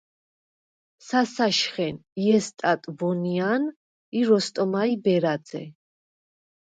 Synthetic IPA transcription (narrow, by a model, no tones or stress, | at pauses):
sasaʃχɛniɛst̪ʼat̪ʼvɔnian | iɾɔst̪ʼɔmaibɛɾad̪zɛ̰